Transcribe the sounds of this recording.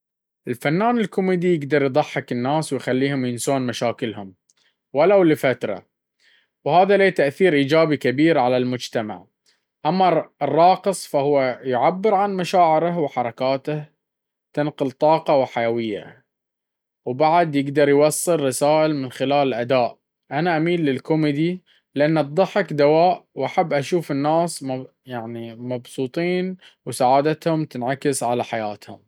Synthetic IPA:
ʔɪlfanːaːnɪlkʊmiːd̪ijɪɡd̪ɑɾˤjd̪ˤɑħːɪkɪnːaːswɪjxalːiːhʊmjɪnsoːnmaʃaːkɪlhʊm | walawlɪfat̪ɾˤɑ̰ | whaːðaleːt̪aʔθiːɾʔiːd͡ʒaːbikabiːɾʕalalmʊd͡ʒt̪ama̰ʕ | ʔamːarˤːɑːqɨsˤfahʊwːajʊʕabːɪɾʕanmaʃaːʕɪɾahwħɑɾˤɑkaːt̪ah | t̪ɪnqʊlt̪ˤɑːqɑwħajawɪjːa̰ | wbaʕd̪jɪɡd̪ɑɾˤjwɑsˤːɨlːɑsaːʔɪlmɪnxɪlaːlɪlʔad̪aːʔ | ʔanaʔamiːlːɪlkʊmɪd̪i | lɪʔanːɑt̪̚ˤdˤɑħɪkd̪awaːʔwʔaħabːʔaʃuːfɪnːaːsm | jaʕnimɑbsˤuːt̪ˤiːn | wsaʕaːd̪at̪hʊmt̪ɪnʕakɪsʕalaħajaːt̪hʊ̰m

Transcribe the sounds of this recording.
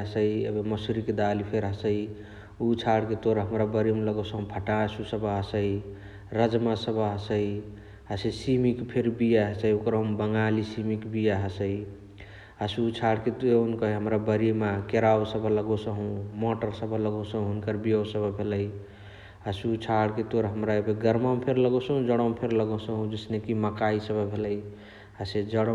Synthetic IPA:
ɦəsəiḛbeməsuɾiked̪alipʰeɾɦəsəi | ut͡ʃʰaɽket̪oɾɦəmɾabəɾimləɡosəɦũpʰəʈasusəbaɦəsəj | ɾəd͡ʒmasəbaɦəsəi | ɦəsəisimikpʰeɾbijaɦəsəiokɾɦũmbəŋɡalisimikbijaɦəsəj | asut͡ʃʰaɽket̪eunkəɦɦəmɾabəɾimakeɾawsəbʱələɡosəɦũmɔʈəɾsəbʱələɡosəɦũunkəɾbijəwsəbəbʱeləj | əsut͡ʃʰaɽket̪oɾɦəmɾaebeɡəɾmampʰeɾləɡosəɦũd͡ʒəɽəmpʰeɾləɡosəɦũd͡ʒesnekiməkaisəbəbʱeləj | ased͡ʒəɽ

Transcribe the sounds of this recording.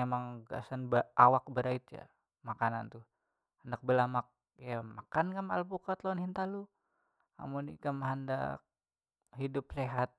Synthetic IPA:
emaŋɡa̰sanbawak̚bəɾait̪̚ja̰ | makanant̪u | handak̚bəlamak̚ | jamakankama̰lpukat̪lanhint̪alu | a̰munḭkamɦanda̰k̚ | hidʊp̚seɦat̪̚

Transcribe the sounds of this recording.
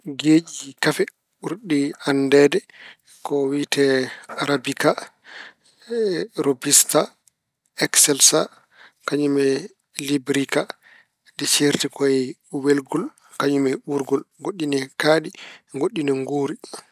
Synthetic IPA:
ɡeːd͡ʒikafɛ | ɓuɾɗiandɛdɛ | kɔwitɛaɾabika | ɾobista | ɛksɛlsa | kaɲumɛ | libɾika | dɛt͡ʃeɾtɛkɔwɛlɡɔl | kaɲumɛɓuɾɡɔlɡoɗːinɛkaːɗiɡoɗːinɛŋɡuːɾi

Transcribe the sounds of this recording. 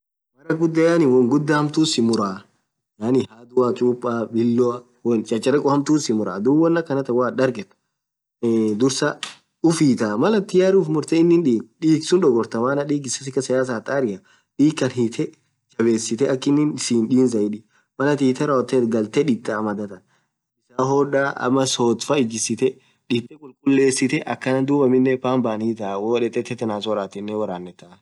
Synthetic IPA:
mɐɾɐɡʊd̪ːɐjanɪwɔŋɡʊd̪ːahɐmt̪uːsɪmʊɾaː | jaːnɪhaːd̪ʊwat͡ʃʼuːpʼːaːbɪlːɔ | wɔnt͡ʃʼɐt͡ʃʼːɐɾɛkʼɔhɐmt̪uːsɪmʊɾa̰ːd̪uːwɔnːɐkːɐnɐt̪ɐwaːᶑɐɾɡɛt̪ʊ̥ | d̪ʊɾsɐ | ʊfiːt̪aːmɐlɐt̪ːɪjaːɾuːfmʊɾt̪ɛɪnːɪnᶑiːkᶑiːksʊnᶑɔɡɔɾt̪ɐmaːnɐᶑiːɡɪsɐsɪkːɐsɐjaːs̬aːt̪ʼaːɾɪjɐ | ᶑiːkːɐnɦit̪ʰɛ | t͡ʃɐbe̞ːsːɪt̪ɛʔɐkːɪnːɪnɪsiːnᶑiːnzɐɪᶑɪ | mɐlɐt̪iːt̪ɛɾɐɔt̪ːɛːt̪ɡɐlt̪ɛᶑɪt̪ʼːɐmɐd̪ɐt̪ɐ | ɪsaːɦɔᶑaːʔɐ̰mːɐsoːt̪fɐɪd͡ʒɪsɪt̪ɛ | ᶑɪt̪ʼːɛkʼʊlkʼʊlːe̞ːsːɪt̪ɛʔɐkːɐnɐnd̪uːbɐmɪnːɛfaːmbaːniːt̪̬aːwoːᶑɛt̪ʼɛt̪ːɛt̪ːɛnaːsɔɾaːt̪ɪnːɛwɐɾaːnːɛt̪ːɐ

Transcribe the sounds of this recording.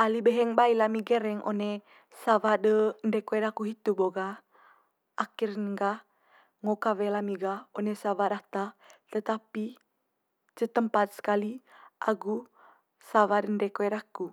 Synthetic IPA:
alibɛɦɛŋbailamiɡɛɾɛŋʔo̰nɛ | savadəndɛkoɛɾakuɦit̪uboɡaː | kirnŋɡa | ŋokawɛlamiɡaonesavaɾat̪at̪ət̪api | t͡ʃət̪əmpat̪̚sə̥kaliʔa̰ɡu | savadəndɛkoɛɾaku

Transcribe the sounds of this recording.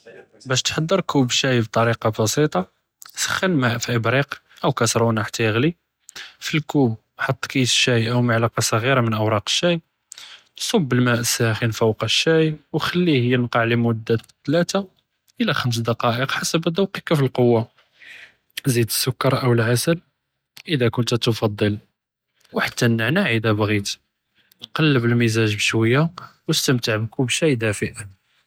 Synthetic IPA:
bæʃt̪ħɑd̪ˤːəɾkubʃæjbt̪ˤɑɾiqɑbɑsit̪ˤɑ | sə̥xːənmæʔfæbɾiq | ʔəwkæsɾˤunaħḁt̪ːæjəɣli | filkub | ħɑt̪ˤːkisʃæjʔəwmaʕlɑqɑsˤɣiɾamənʔəwɾˤɑqə̥ʃːæj | sˤobːəlmæʔsæxinfəwqɑʃːæjwxælːihəjːənqɑʕlimʊd̪ːat̪ːlæt̪a | ʔəlæxəms̬d̪ɑqɑʔəqħasəbæd̪ɑwqikæfilqowːa | zid̪əsːʊkːɑɾˤʔəwəlʕasəl | ʔəd̪ækʊnt̪æt̪fɑd̪ˤːəl | wħat̪ːænːəʕnæʕid̪æbɣit̪ | nqɑlːəbəlmizæʒbəʃwəjːawəst̪əmt̪əʕbkubʃijd̪æfəʔən

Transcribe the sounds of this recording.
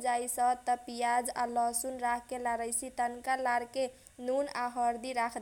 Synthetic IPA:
d͡ʒaisət̪əpijad͡ʒa̰lɔsunɾakʰkelaɾəjsit̪ənkalaɾke | nunaɦəɾd̪iɾakʰd̪

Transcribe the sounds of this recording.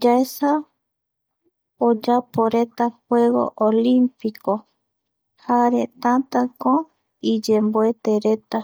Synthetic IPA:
d͡ʒaesa | od͡ʒapoɾet̪ahwe̞ɣo̞̰ʔolimpiko | haɾet̪ãt̪akõ | id͡ʒemboet̪eɾe̞t̪a

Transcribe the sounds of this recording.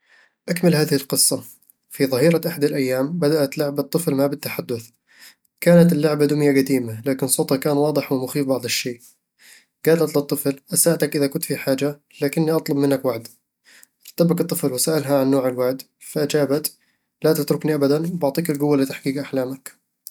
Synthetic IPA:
ʔakmɪlhaːðɪhɪlqɨsˤːɑ | fiðˤɑhiːɾaʔaħad̪alʔajːaːmbad̪aʔat̪lʊʕbat̪ˤːɨflmabɪt̪ːaħad̪ːʊθ | kaːnat̪ɪlːʊʕbad̪ʊmjaɡad̪iːmalaːkɪnsˤoːt̪hɑkaːnwɑːd̪ˤɨħwɪmʊxiːfbɑʕd̪ˤɪʃːeːʔ | ɡ̥aːlat̪lɨt̪ˤːɨflʔasaʕt̪akʔɪðakʊnt̪fiħaːd͡ʒa | laːkɪnːiʔɑt̪ˤlʊbmɪnːakwaʕd̪ | ʔɑɾˤt̪abakɨt̪ˤːɨflwɪsaːʔɪlɦaʕanːoːʕɪlwaʕd̪ | faʔad͡ʒaːbat̪ | lat̪ɪt̪ɾʊkniʔabad̪anwbɑʕt̪ˤiːkɪlɡʊwːalɪt̪aħkiːkʔaħlaːmak

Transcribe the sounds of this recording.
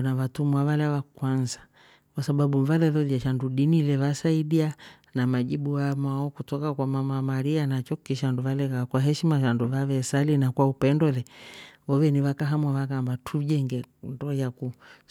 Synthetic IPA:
naβatumwavalɛβakwanzḁ | kwasaɓaɓuvalɛðɔðjaʃanduɗinilɛβasaiɗia | namaʄiɓuamaɔkutɔkakwamamamaɾianat͡ʃɔkiʃanduvalɛkakwaɦɛʃimaʃanduvaβɛsalinakwaupɛndɔlɛɔvɛniβakaɦamwaβakambatʰuʄɛŋɡɛndɔjaku

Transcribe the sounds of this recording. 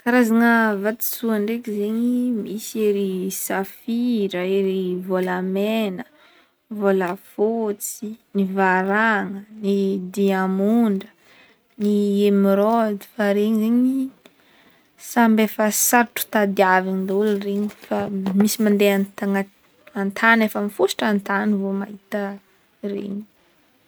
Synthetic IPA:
kaɾazaŋəvat̪i̥suaɳɖ͡ʐekʲizeɲimiseɾisafiɾəeɾivolamenə | volafot͡sinivaɾaŋənid̪iamuɳɖ͡ʐə | niemiɾɔd̪i̥faɾeɲizeɲi | sambefəsaɾʈ͡ʂu̥t̪ad̪iaviɲind̪ulreɲifamisimand̪eant̪aŋa | ant̪ʰanefəmifusi̥ʈ͡ʂant̪anivomaɦit̪ə | rḛɲi̥

